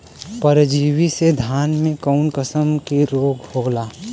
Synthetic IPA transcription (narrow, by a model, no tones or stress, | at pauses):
pəɾd͡ʒiːwised̪ʱaːnmẽkɔʊnkəsəmkeɾoːɡʱhoːlaː